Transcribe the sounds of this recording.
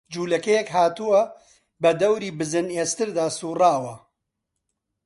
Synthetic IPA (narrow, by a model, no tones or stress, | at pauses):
d͡ʒuːlɐkɐjɛkɦaːt̪uwɐ | bɐd̪ɐwɾiːbɨzɨneːst̪ɨɾd̪aːsuːraːwɐ